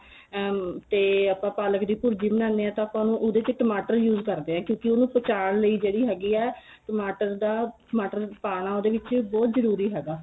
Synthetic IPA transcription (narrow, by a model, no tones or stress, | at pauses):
t̪eːapãːpaːləkd̪iːpʊɾd͡ʒiːmənãːnd̪eːɛ̃ːt̪ãːaːpãːnũːʔod̪eːt͡ʃeʈəmaːʈəɾjuːzkəɾd̪eːɛ̃ːkjõːkɪoːnũːpət͡ʃaːɳləiːd͡ʒeːɽiːɦɛːɡiːɛː | ʈəmaːʈəɾd̪aːʈmaːʈəɾpaːɽ̃aːoːd̪eːʋɪt͡ʃbɔːt̪zəɾuːɾiːɦɛːɡaː